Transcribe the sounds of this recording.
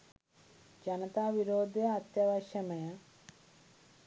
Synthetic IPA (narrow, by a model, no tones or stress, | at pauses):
d͡ʑɐnɐt̪aːʋiɾoːd̪ʱjɐɐt̪jɐʋɐɕjɐmɐjɐ